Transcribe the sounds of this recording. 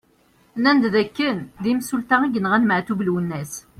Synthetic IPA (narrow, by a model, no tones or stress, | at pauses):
nænd̪ðækːənd̪imsult̪aiɡənʁænmʕθuvluwənːæs